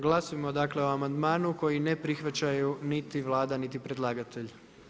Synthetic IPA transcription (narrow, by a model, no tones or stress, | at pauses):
ɡlˠasojmo̞d̪akle̞oamand̪maːnuko̞jine̞pɾixʋat͡ɕajunit̪iʋlˠaːd̪anit̪ipɾed̪lˠaːɡat̪eʎ